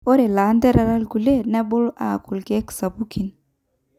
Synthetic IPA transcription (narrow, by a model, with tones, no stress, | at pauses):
o˦ɾɛ˨la˨˦ndɛ˦ɾa˨ɾa˦lɡu˨le˦nɛ˦bʊ˦la˨ku˨lɡɛ˦ksa˨bu˦ki˨n